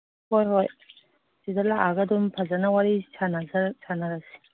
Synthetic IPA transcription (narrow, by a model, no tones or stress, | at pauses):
hojɦoj | sidalaʔaɡɐdumpʰazanɐwaɾisʰanazasʰanaɾasi̥